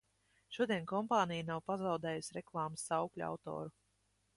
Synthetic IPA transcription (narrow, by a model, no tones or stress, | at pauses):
ʃuɔd̪iɛnkɔmpaːnijanawpazawd̪ɛːjusʲɾɛklˠaːmsːawklʲua̰wt̪ɔ̰ːɾu